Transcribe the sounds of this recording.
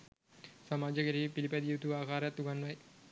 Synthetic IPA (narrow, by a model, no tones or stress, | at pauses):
sɐmaːd͡ʒɐkeɾipilipɐd̪jut̪uaːkaːɾɐt̪ːuɡanʋɐj